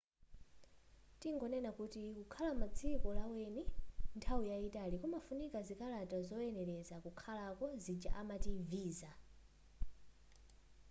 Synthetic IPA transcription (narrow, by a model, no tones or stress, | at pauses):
tiŋɡɔnɛnakutikukʰalamad͡zʰikɔlawɛnintʰawujaitalikɔmafunikazikalatazɔɛnɛlɛzakukʰalakɔzid͡ʒa̰ʔamativiːza